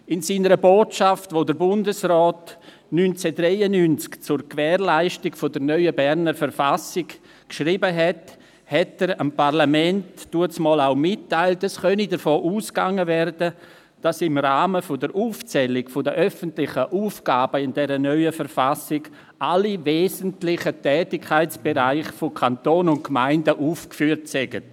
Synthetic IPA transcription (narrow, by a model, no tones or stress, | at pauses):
ɪnsiːnəɾəboːtʃaftvodəɾbʊndəsrɔːt | nynt͡sɛdrɛɪənynt͡skt͡sʊɾkvɛːɾlaɪʃtɪɡfodəɾnœʏəbɛɾnəɾfəɾfasɪk | kʃɾiːbəɦɛt | hɛtəɾampaʁlamɛntːd̥uəsmɔːlaʊmɪtːaɪltɛsχœnidəɾfoːʔuːskaŋəvɛrdə | d̥asɪmʁaːməfʊdəɾʔuːft͡sɛlɪɡfʊdəʔœfəntlɪχəʔuːfɡ̥aːbəɪndɛɾənœʏəfəfasɪɡ | ʔaliveːzəntlɪχətɛːtɪkʰːaɪt͡sb̥eɾaɪχfokʰantoːnʊnt̚kmaɪndəʔuːfkfyːɾtsɛɡ̥ət